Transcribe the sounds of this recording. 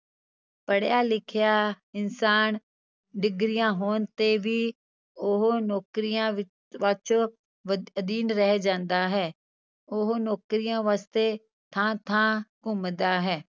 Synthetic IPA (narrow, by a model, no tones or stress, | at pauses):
pəɽjaːlɪkʰɪjaː | ɪnsaːn | ɖɪɡɾɪjãːɦoːnt̪eːʋiː | ʊɦnɔːkɾijãːɪ | ʋət͡ʃ | əd̪iːnɾɛɦɛːd͡ʒãːnd̪aːɦɛː | ʊɦnoːkɾijãːʋaːst̪eː | t̪ʰãːt̪ʰãːkʊmd̪aːɦɛː